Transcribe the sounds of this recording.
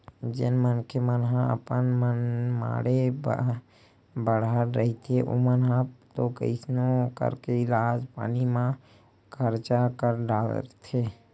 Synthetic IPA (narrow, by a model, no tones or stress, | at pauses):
d͡ʒḛnmənkʰemənɦãə̰pənmənma̰ɽeb̰ | bəɽaɾɾəɦit̪ʰeʔo̰mənãpt̪okə̰ɪsnokə̰ɾkeɪlaːd͡ʒpa̰ːnimã | kʰəɾt͡ʃakəɾɖal̰t̪ʰe